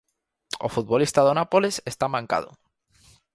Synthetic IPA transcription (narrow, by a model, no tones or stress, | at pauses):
o̰fut̪̚βolist̪aðonapolesest̪amãŋka̰ð̞o̰